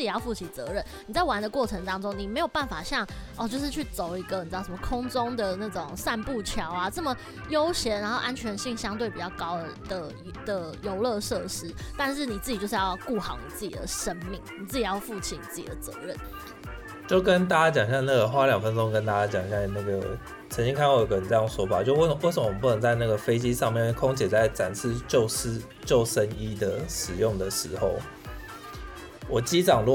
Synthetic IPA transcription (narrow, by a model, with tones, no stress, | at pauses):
t͡ɕi˨˩jɑ˥˧ʊfu˥˩t͡ɕʰi˨˩t͡sɤ̰˧˦ɻə˥˩nni˨˩t͡sa˥˩ɪwa˧˥nd̪ə˦kwɔ˥˩ʈ͡ʂʰɤ˧ŋt̪ɑ˥ŋʈ͡ʂʊ˥ŋni˨˩me˧˥ɪjo˨˩ʊpa˥˩nfa˨˩ɕjɑ˥˩ŋʔɔ˥˧t͡ɕjo˥˧ʊʂ̬ɻ̩˥˧t͡ɕʰy˥˩t͡so˨˩ʊi˧˥ɡə˧˨ni˨˩˧ʂmə˧kʰʊ˥ŋʈ͡ʂʊ˥ŋd̪ə˨˩na˥˩ʈ͡ʂʊ˨˩ŋsa˥˧npu˥˩t͡ɕʰjɑ˧˥ʊa˨t͡sə˥˩mə˩ | jo˥ʊɕjɛ˧˥nɻa˧˥nxo˥˧ʊʔa˦˥nt͡ɕʰɥɛ˧˥nɕi˥˩ŋɕjɑ˥ŋt̪we˥˩ɪpi˨˩t͡ɕɑ˥˩ʊkɑ˥ʊ˧˥d̪̥ə˨ | d̪̥ə˨˩jo˧˥ʊlɤ˥˧ʂɤ˥˩ʂɻ̩˥t̪a˥˧nʂ̬ɻ̩˥˩ni˨˩t͡sɹ̩˥˩t͡ɕi˨t͡ɕjo˧ʂ̩˥˧jɑ˥˧ʊku˥˩xɑ̰˧˦ʊni˨˩t͡sɹ̩˥˩t͡ɕḭ˨˩d̪ə̰˩ʂə˦˥nmi˥˩ŋni˨˩t͡sɹ̩˥˩t͡ɕi˨˩jɑ˥˧ʊfu˥˩t͡ɕʰi˧˥nḭ˨t͡sɹ̩˥˩t͡ɕi˨˩d̪ə˩t͡sɤ̰˧˦ɻə̰˥˩n | t͡ɕjo˥˩ʊkə˦nt̪a˥t͡ɕa˥t͡ɕjɑ˨˩ŋɕjŋna˥˩ɡə˩xwa˥ljɑ˨˩ŋfə˦nʈ͡ʂʊ˦˥ŋkə˦˥nt̪a˥t͡ɕa˥t͡ɕjɑ˨˩ŋɕjɑ˥˧na˥˩ɡə˩ | t͡sʰə˧˥ŋt͡ɕi˥ŋkʰa˥˧nwa˥˩jo˧˩˦kə˧˩˨ʈ͡ʂə˥˧˩jɑ˥˩ŋswɔ˧˥pa˨˩˦t͡ɕjo˥˧ʊwwe˥˩sə˧˦m˦˩˨pu˥˧nə˧˦nt͡sa˥˧ɪna˥˩ɡə˩fe˥ɪt͡ɕi˦ʂɑ˥˧ŋmjɛ˥˨nkʰʊ˥ŋt͡ɕjɛ˨˩t͡sa˥˩ɪʈ͡ʂa˨˩nsʰɻ̩˥˧t͡ɕjo˥˨ʊʂ̩˥ | t͡ɕjo˥˨ʊʂə˦ni˥d̪ə˨ʂɻ̩˨˩jʊ˥˩ŋd̪ə˩ʂɻ̩˧˦xo˥˩ʊ | wɔ˨˩t͡ɕi˦˥ʈ͡ʂɑ˨˩ŋlɔ˥˨